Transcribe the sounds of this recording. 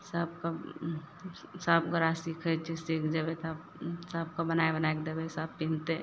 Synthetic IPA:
səb̚ka | səbɡəɾasikʰət͡ʃʰisikʰd͡ʒəbet̪ab | səb̚kabənaebənaekd̪ebesəbpint̪e

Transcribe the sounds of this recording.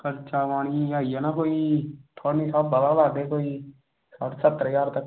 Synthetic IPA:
kəɾt͡ʃaːʋaːɽ̃iːaːiaːnaːkoːiːt̪ʰoːnisabːəlaːlaːɡd̪eːkoːiː | səʈsət̪ːɾjaːɾt̪ək

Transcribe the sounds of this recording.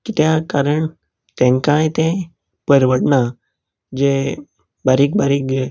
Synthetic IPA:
kit̪jakaɾəɳ | t̪ẽŋkãjt̪ẽ | pəɾʋəʈna | d͡ʑe | baɾik̚baɾike

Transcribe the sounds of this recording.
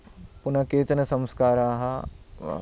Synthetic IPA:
punɐkeːt͡ʃɐnɐsɐ̃mskaːɾaːɦɐ̰

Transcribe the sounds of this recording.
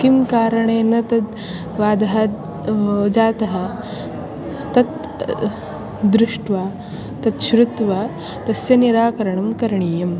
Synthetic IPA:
kimkaːɾɐɳeːnɐt̪ɐt̪ | ʋaːd̪ɐɦɐ | d͡ʒaːt̪ɐɦɐ | t̪ɐt̪ | d̪ɾuʂʈʋaː | t̪ɐt̪ʃɾut̪ʋaː | t̪ɐsjɐniɾaːkɐɾɐɳɐmkɐɾɐɳiːjɐm

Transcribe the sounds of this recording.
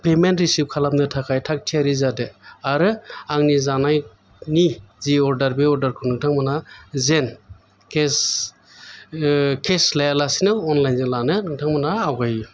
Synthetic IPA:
pementɾisip̚kʰalap̚nɯtʰakʰajtʰak̚tʰiaɾizadɯaɾɯaŋnizanaj | niziɔɾdaɾbeɔɾdaɾkʰɯnɯŋtʰaŋmɯnazen | kʰes | kʰeslajalasinɯwɔnlajnzenlanɯnɯŋtʰaŋmanaːwɡaj

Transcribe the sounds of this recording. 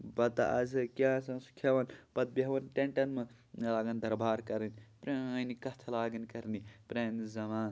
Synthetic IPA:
bɐt̪a̰ɐ̰zɐkʲaːsɐ̃su̥kʰːjɐʋɐnpɐd̪̚bɐɦʋɐnʈeɳʈɐnmɐ | laːɡɐnd̪ʱɐɾbʱaːɾkɐɾɐnʲpɾenikɐt̪ʰɐlaːɡɐnkɐɾnipɾeːnizɐmaːn

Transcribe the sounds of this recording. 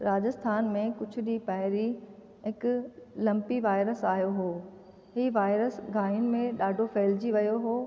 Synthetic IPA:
ɾaːd͡ʑəst̪ʰaːnmẽkʊd͡ʑʰʱʊ̆ɗipɐɦɪɾi | ɦɪkʊlɐ̃mpiʋaːɪɾəsaːɦjoɦoː | ɦiːʋaːɪɾəsɡʱaːiʊnɪ̆mẽɗaːɖʱofeːld͡ʑiʋɐjoɦoː

